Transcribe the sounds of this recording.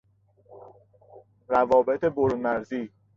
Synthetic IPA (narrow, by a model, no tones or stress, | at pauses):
ɾævɒːbet̪ʰe̞boɾmæɾziː